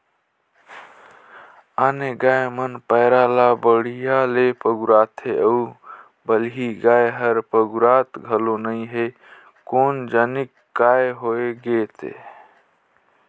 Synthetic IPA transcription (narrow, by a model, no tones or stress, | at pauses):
aneɡaemənpəɪɾalabəɽ̤ijalepəɡuɾaːt̪ʰeəu | bəlɦiɡaeɦəɾpəɡuɾat̪ɡʱəlonəɪɦe | koːnd͡ʒənikːaeɦoeɡet̪ḛ